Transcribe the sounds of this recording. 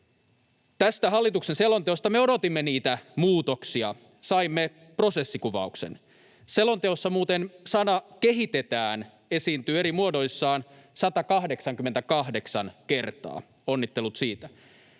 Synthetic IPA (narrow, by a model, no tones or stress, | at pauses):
t̪æst̪æɦɑlːit̪ukse̞nse̞lo̞nt̪eost̪ɑmeo̞do̞t̪imːeniːt̪æmuːt̪o̞ksiɑ̰ | sɑimːe | pro̞se̞sːikuʋɑ̰uksḛn | se̞lo̞nt̪eosːɑmuːt̪ensɑnɑke̞ɦit̪e̞t̪æːn | e̞siːnt̪yːe̞ɾimuodo̞jsːɑːn | sɑt̪ɑkɑhde̞ksɑŋk̟yment̪ækɑɦde̞ksɑnke̞rt̪ɑ̰ː | o̞nːit̪ːe̞lut̪siːt̪æ